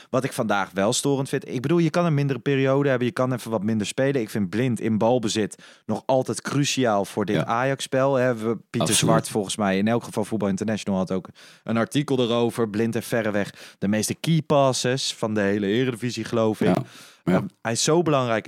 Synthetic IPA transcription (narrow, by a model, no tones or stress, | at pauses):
ʋɑtɪkfɑndaːχʋɛlˠstʊːrəntfɪ̃ntɪɡ̚bədulˠjəkɑnəɹmɪndərəpɪːrijowdəɦɛbənjəkɑnɛfənʋɑtmɪndəɹspejlənɪkfɪn̚blɪntɪnbɑlˠbəzɪtnɔχɑlˠtɛjtkrysiaːlˠv̥ʊːɹdɪtaːjɑkspɛlˠɦɛpitəzʋɑɹtfɔlˠχənsmɛjɪnɛlˠkχəvɑlˠfut̚bɑlˠɪntəɹnɛʃonəlˠɑtowkʔənɑɹtikəlˠdəɾowvəɹblɪntəfɛɾəʋɛχd̥əmejstəkipɑːsəsfɑndəɦejləɪːrədəviziχəlowfɪkəɦɛjɪsːowbəlɑŋrɛjk